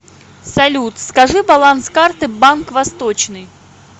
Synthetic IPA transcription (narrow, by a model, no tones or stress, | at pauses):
sɐlʲut̪skɐʐɨbɐlˠanskart̪ɨbankvɐst̪ot͡ɕnɨj